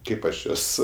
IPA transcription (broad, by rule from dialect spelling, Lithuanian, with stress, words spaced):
ˈkɐɪp ɐʃ ˈjuɔs